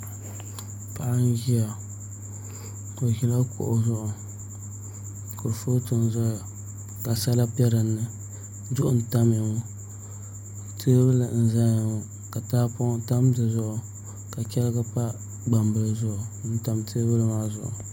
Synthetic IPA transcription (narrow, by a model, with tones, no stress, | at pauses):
pa˨ʔa˦n˦ʒi˦a˨ | ko˨ʒi˦la˦kʰo̰˨ʔʊ˨zʊ˦ʔʊ˨ | kʊ˨ɾfo˦tɨ˨n˨za˦˨ | ka˨sa˦la˦pɛ˦ɾɨ˨nːɨ˨˦ | zʊ˦ʔʊ˦n̩˨ta˦m˦ɪ˨ŋo˦ | tʰeː˦bɨ˦la˨n̩˨za˦a˨ŋo˨ | ka˨ta˦pta˦m˦dɨ˨zʊ˦ʔʊ˨ | ka˨kʲɛ˦lɨ˦ɡa˦pa˦ | ɡ͡ba˨mbɨ˦lzʊ˦ʔʊ˨n̩˦ta˨mtʰe˦bɨ˦lmaː˦zʊ̰˨ʔʊ̰˨